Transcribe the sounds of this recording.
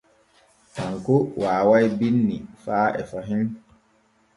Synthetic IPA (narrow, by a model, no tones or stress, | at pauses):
haŋkowaːwajbinːifaːʔɛ̰faɦin